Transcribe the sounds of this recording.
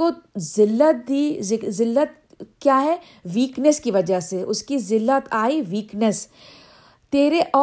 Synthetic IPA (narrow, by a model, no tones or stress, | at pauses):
ozɪlːət̪̚d̪iːzɪzɪlːət̪̚ | kjaːɦɛ | ʋiːknəskiʋɐd͡ʒəseʔʊskizɪlːət̪ʰaːiʋiːknəs | t̪eːɾeʔɔː